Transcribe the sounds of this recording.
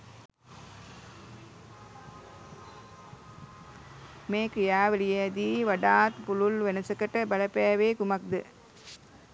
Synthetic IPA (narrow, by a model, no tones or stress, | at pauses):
meːkɾjaːʋɐlijɐɐd̪iːʋɐɖaːt̪pululʋenɐsɐkɐʈːɐbɐlɐpejaʋeːkumɐk̚d̪ɨ